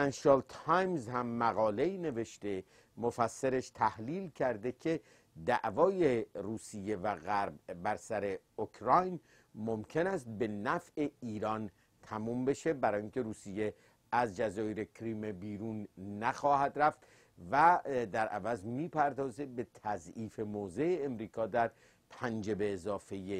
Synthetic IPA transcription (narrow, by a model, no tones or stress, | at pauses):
ænʃelt̪ʰɑjmzhæmːæɣɒːle̞iːne̞ve̞ʃt̪e̞ | mofæsːeɾeʃt̪ʰæhliːlcʰæɾd̪e̞cʰe̞ | d̪æʔvɒːje̞ruːsijːe̞væɣæɾbːæɾsæɾe̞okʰɾɒjn | momcʰe̞næst̪̚be̞næfʔe̞iːɾɒːn | t̪ʰæmuːmbe̞ʃe̞bæɾɒːjiŋkʲʰe̞ɾuːsije | æzd͡ʒæzɒːjeɾekʰɾimebiːɾuːnːæxɒːhæd̪ɾæft̪ | væd̪æɾʔæ̰væzmiːpʰæɾd̪ɒːze̞be̞t̪ʰæziːfe̞moːze̞eːmɾiːkʰɒːd̪æɾ | pʰænd͡ʒe̞be̞ːzɒːfeje